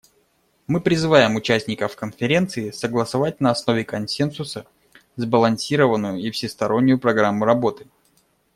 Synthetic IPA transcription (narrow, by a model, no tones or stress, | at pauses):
mɨpɾʲɪzɨvajɪmʊt͡ɕæsʲnʲɪkəfkənfʲɪɾʲe̞nt̪sɨɪsəɡlˠəsɐvat̚ʲnəɐsno̞vʲɪkɐnsʲe̞nsʊsə | zbəlˠɐnʲsʲiɾəvənːʊjʊifsʲɪst̪ɐɾo̞nʲːʊjʊpɾɐɡɾamːʊɾɐbo̞t̪ɨ̥